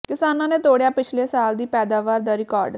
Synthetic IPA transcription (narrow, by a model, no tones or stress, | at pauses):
kɪsaːnãːneːt̪oːɽejaːpɪt͡ʃʰleːsaːld̪iːpɛːd̪aːʋaːɾd̪aːɾɪkaːɾɖ